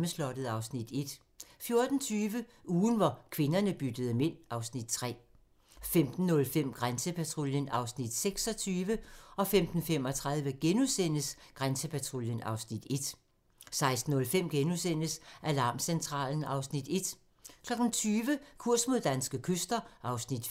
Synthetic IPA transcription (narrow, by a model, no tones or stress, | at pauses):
məslɒ̽d̥əð̩ˠɑ̈ʊsnid̥e̝d̥ | fjo̝ɐd̥n̩t͡sʰyːʋəuːn̩ʋɑkʰʋe̝nɐnəb̥yd̥əð̞ˠəmen̰ɑ̈ʊsnid̥̚t͡sʰʁɛ̰ː | femd̥n̩ːɔ̽lfem̰ɡ̥ʁansəpʰæt͡sʰʁoljənɑ̈ʊsnid̥seɡ̥sɒ̽t͡sʰyːʋəɒ̽femd̥n̩fem̰ɒ̽t͡sʰʁɑ̈ð̞ˠʋəɡ̥enusen̰əsɡ̥ʁansəpʰæt͡sʰʁoljənɑ̈ʊsnid̥e̝d̥ | sɑ̈ɪsd̥n̩ːɔ̽lfem̰ɡ̥enusen̰əsʔælɑ̈ːmsent͡sʰʁɑ̰̈ːln̩ɑ̈ʊsnid̥e̝d̥ | kʰlɒ̽ɡ̥n̩t͡sʰyːʋəkʰuɐ̰smo̝ðˠd̥ænsɡ̥əkʰøsd̥ɐʔɑ̈ʊsnid̥